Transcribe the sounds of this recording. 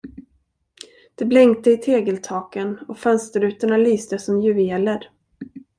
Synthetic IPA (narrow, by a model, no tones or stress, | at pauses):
d̪̥ɛblɛŋkt̪əɪt̪ʰeːɡəlt̪ʰɑːkənɔfœnst̪əɾʉ̟ːt̪əɳalyːst̪əsɔmjɵveːləɾ